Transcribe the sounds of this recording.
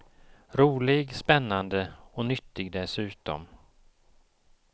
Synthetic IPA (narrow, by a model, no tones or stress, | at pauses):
ɾuːlɪɡspɛnːand̪əɔnʏt̪ːɪɡd̪ɛsʉ̟ːt̪ɔ̰m